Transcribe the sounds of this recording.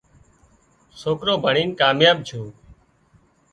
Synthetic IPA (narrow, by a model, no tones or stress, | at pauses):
soːkɾoːbʱəɳiːnkaːmjaːb̚t͡ʃʰoː